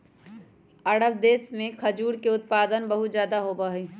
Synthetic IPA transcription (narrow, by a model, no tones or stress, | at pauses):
əɽəbd̪eːsmẽkʰəd͡ʒuːɾkeʊt̪̚paːd̪ənbəɦʊt̪d͡ʒjaːd̪aɦobaɦɛ